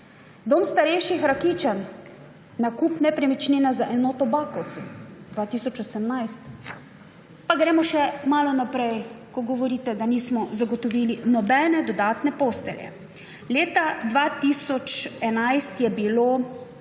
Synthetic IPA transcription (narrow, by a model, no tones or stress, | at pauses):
d̪oːmst̪aɾɛjʃixɾakiːt͡ʃanː | akuːpnɛpɾɛmit͡ʃneːnazaʔɛnɔːt̪ɔbaːkɔwt̪sɛmd̪ʋat̪iːsɔt͡ʃɔsɛmnajst̪ | paɡɾɛːmɔʃɛmaːlɔnapɾɛjkɔɡɔʋɔɾiːt̪ɛd̪aniːsmɔzaɡɔt̪ɔʋiːlinɔbɛnɛd̪ɔd̪aːt̪nɛpoːst̪ɛ̰ljɛ̰ | leːt̪ad̪ʋat̪isɔt͡ʃɛnajst̪jɛbiloː